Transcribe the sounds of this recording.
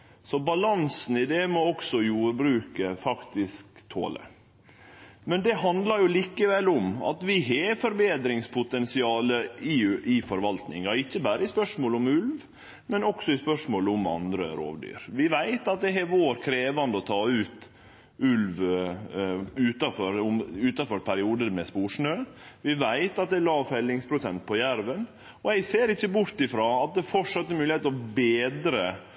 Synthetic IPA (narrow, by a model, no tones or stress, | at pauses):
sɔbɑlɑnsn̩ɪd̪ɛmɔɔksɔjuːɾbɾʉːkəfɑkt̪ɪskt̪ʰo̰ːlə̰ | mɛnd̪ɛɦɑnd̪lɑɾjʊliːkəʋɛlːʊmɑ̰t̪ʋɪɦefɔɾbeːd̪ɾɪŋspʰʊt̪ɛnsɪɑːləɪɪfɔɾʋɑlt̪nɪ̰ŋɑɪçːəbæːɾəɪspœʂmoːlʊmʉlʋ | mɛnɔksɔɪspœʂmoːlʊmɑ̰nd̪ɾə̰ɾo̰ːʋd̪y̰ːɾʋɪʋæɪt̪ɑt̪̚d̪ɛɦɛʋoːɾkʰɾeːʋɑnd̪əɔt̪ʰɑːʉːt̪ | ʉlʋ | ʉːt̪ɑfɔɾʊmʉːt̪ɑfɔɾpʰæɾɪuːd̪əmɛspuːʂɳøːʋɪʋæɪt̪ɑt̪̚d̪ɛɪlɑːfɛlːɪŋspʰɾʊsɛnt̪̚pʰɔjæɾʋən | ɔæɪseːɾɪçːəbʊɾt̪ɪfɾɑːɑt̪̚d̪ɛfɔʈʂɑt̪ːəɾmʉːlɪeːt̪ɔbeːd̪ɾə